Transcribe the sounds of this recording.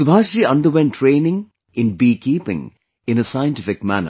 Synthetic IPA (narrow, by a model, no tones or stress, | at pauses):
sʊbʱaːʃɾiːʌ̃nɖəɾwɛ̃ntʰːɾẽːnɪ̃ŋ | ɪ̃nbiːkiːpɪ̰̃ŋ | ɪ̃nəsaɪə̃ntɪfɪk̚mæ̰nə̰